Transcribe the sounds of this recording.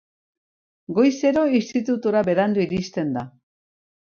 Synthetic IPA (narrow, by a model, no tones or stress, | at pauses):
ɡo̞jse̞ɾoist̪it̪ut̪uɾabe̞ɾand̪uiɾist̪e̞nd̪a